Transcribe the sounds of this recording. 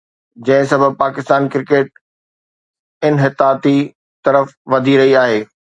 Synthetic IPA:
d͡ʑɐ̃ɦɪ̃sɐbʱəb̚paːkɪst̪aːnkɪɾɪkeːʈ̚ | ɪnɦɪt̪aːt̪i | t̪ɐɾəfʋɐd̪ʱiɾɐɦiaːɦeː

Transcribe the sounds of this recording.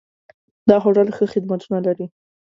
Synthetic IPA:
d̪ɑxoɽəlxəxɪd̪mat̪unalaɾi

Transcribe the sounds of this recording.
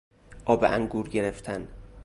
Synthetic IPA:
ʔɒːbeʔæŋɡuːɾɟe̞ɾeft̪ʰæn

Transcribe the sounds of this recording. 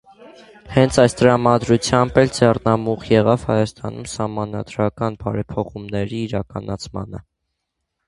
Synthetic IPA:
hɛnt͡sʰɑjst̪əɾɑmɑd̪ɾut͡sʰjɑmbɛld͡zɛrnɑmuχjɛʁɑv̥hɑ̰jɑst̪ɑ̰numsɑhmɑnɑd̪ɾɑkɑnbɑɾɛpʰɔχumnɛɾiːɾɑkɑnɑt͡sʰmɑ̰nə

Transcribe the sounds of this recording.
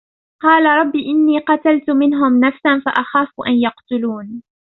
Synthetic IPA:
qɑːlaɾˤɑbːiːʔɪnːiːqɑt̪alt̪ʊmɪnɦʊmnafsanfaʔaxaːfʊʔanjɑqt̪ʊluːn

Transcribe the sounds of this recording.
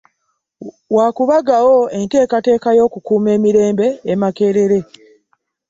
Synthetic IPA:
wakuβaɡawo̞e̞nte̞ːkate̞ːkajo̞ːkukuːme̞ːmiɾe̞ːmbe̞ːmake̞ːɾe̞ɾe̞

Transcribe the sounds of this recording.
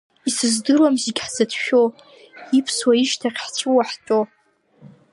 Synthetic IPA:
isɨzdɨrwamziɡʲħzadʰʃᶣo | ipʰswaiʃtʰaχʲħt͡ʃʷʰʼɨwaħt͡ʃʼo

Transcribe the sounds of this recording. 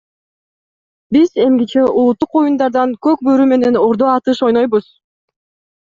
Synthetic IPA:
bize̞mɡʲit͡ʃe̞ʔulˠut̪ːuqo̞jund̪ɑɾd̪ɑŋkø̞k̚bøɾyme̞ne̞noɾd̪oɑt̪ɯʃo̞jno̞jbuz̥

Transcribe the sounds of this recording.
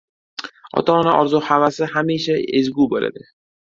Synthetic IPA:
ɒ̰t̪ʰanɪʔɒɾzuhavasɪhamiʃaezɡubola̰d̪ɪ

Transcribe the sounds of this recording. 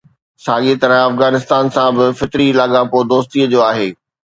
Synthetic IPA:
saːɠit̪ɐɾə̃ɐfɣaːnɪst̪aːnsãbɪfɪt̪ɾilaːɠãpoːd̪oːst̪iəd͡ʑoːaːɦeː

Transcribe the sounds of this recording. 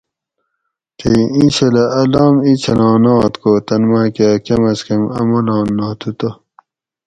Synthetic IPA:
t̪ʰeiĩɕelɐʔɐlɑːmit͡ɕʰɐlɑ̃ːnɑ̃ːt̪koːt̪ɐnmakaːkemɐskemɐ̰molɑ̃ːnːɑːt̪ʰut̪o

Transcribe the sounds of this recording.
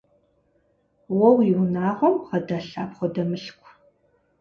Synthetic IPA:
wɔwjɪwnaːʁɐwʁɐdaɬaːpχʷɔdɐmɨɬkʷʰ

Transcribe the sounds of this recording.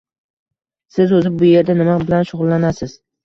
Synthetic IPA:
sɪzɵzɪb̚bʊje̞ɾd̪anɪmabɪlanʃʊʁʊlˠlːanasɪz̥

